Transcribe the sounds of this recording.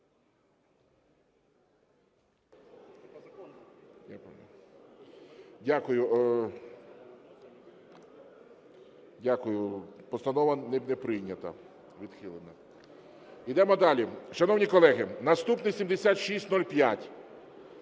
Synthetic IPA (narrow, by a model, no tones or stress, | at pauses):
a̰ | dʲakʊjʊ | dʲakʊjʊpɔst̪ɐnɔʋɐnɛnɛpɾɪjnʲɐt̪ɐ̰ | ʋʲid̪xɪlˠenɐ | id̪ɛmɔd̪ɑlʲiʃɐnɔwnʲikɔlˠɛɦɪnɐst̪upnɪsʲimd̪esʲat̪ʃisʲtʲnɔlʲpʲjatʲ